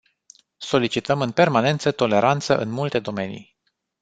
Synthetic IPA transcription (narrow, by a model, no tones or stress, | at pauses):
so̞lit͡ʃit̪əmɨnpe̞rmane̞nt̪sət̪o̞le̞ɾant̪səʔɨnmult̪e̞d̪o̞me̞nḭj